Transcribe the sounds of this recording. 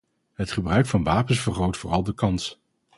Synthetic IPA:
ɦətχəbrœɥkfɑnʋaːpənsfərχowtfʊːrɑlˠdəkɑns

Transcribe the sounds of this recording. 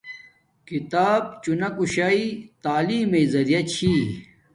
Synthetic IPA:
kit̪aːb̚t͡ɕunɐkuɕaːit̪aːliːmeizɐɾijɐt͡ɕʰi

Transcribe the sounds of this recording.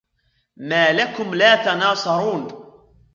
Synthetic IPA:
maːlakʊmlaːt̪ɑnɑːsˤɑɾˤuːn

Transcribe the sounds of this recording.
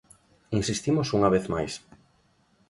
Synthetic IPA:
insist̪imosuŋaβeθmajs

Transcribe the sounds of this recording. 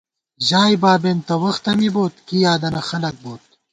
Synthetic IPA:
ʑaːjbaːbeːnt̪ɐwɐxt̪ɐmiboːt̪kijaːd̪ɐnɐxɐlɐk̚boːt̪̚

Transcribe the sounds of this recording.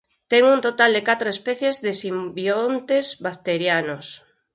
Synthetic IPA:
t̪ɛŋunt̪ot̪ald̪ekat̪ɾoespɛθjezðesimbjont̪ezβakt̪eɾjanos

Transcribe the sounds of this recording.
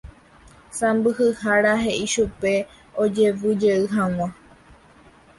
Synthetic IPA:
sãmbɨhɨhaɾaɦe̞ʔiʃupe̞ | od͡ʒe̞ʋɨd͡ʒeɨɦãw̃ã

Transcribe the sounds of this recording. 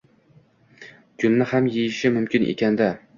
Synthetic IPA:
kʲʰʊnːɪhamjejɪʃɪmʊmkʲɪnʔḛkʲʰand̪a

